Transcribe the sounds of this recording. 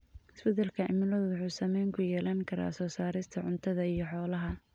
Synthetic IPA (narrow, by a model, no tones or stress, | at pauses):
ɪsbɛd̪ɛlkʰɐɪ̰mɪlɔðwʊħuːsɐmɛjŋkʰʊjɛːlaŋkʰɐɾa̰ːsɔːsaːɾɪst̪ʰɐʕʊnt̪ʰɐðɐijɞħɔːlɐɦɐ